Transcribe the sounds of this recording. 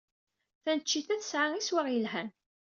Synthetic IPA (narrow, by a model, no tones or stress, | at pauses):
θænət͡ʃːiθæθə̥sʕaŋiswaʁjəlɦæn